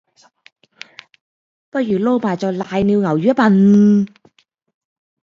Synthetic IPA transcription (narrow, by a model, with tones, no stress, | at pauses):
pɐ˥jyː˨˩lo˥˧wmaː˨˩jt͡sɔː˨˧jlaː˨˧jniː˧wŋɐ˨˩wjyː˨˥pɐ˧n